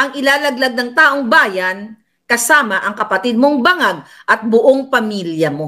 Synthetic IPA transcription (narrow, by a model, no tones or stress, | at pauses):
ʔɐŋʔɪlaːlɐɡ̚lɐɡ̚nɐŋt̪aːʔoŋbaːjɐn | kɐsaːmɐʔɐŋkɐpɐt̪ɪd̪̚moŋbɐŋaɡ̚ʔɐt̪̚bʊʔoŋpɐmiljɐmo̞